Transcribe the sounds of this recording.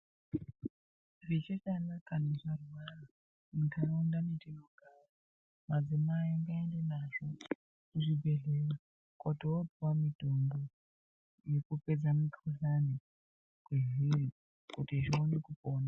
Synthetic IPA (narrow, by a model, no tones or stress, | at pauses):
rit͡ʃekanakaneʐaruwara | mukanoundanetinoɡʱara | mad͡zimaiiŋɡaendenaʐo̞ | kuʐibʱe̞ɮera | kotowopuwamitombo | jekupe̞d͡zamikʰuɬani | kweɦiri | kutiʐionekupoːna